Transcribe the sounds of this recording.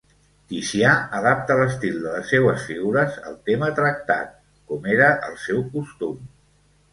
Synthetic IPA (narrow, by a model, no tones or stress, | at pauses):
t̪isiaəðap̚t̪ələst̪ilˠd̪ələsːewəsfiɣuɾəzə̰lˠt̪emət̪ɾək̚t̪a̰t̪̚ | komeɾəʔəlˠsɛwkust̪um